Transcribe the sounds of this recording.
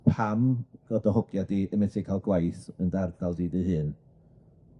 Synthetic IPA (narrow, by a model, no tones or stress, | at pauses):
pʰamɡ̥ɔdɔɦʊɡ̥jadiənmɛtʰikʰalˠɡwajθəndardalˠdidəhɨːn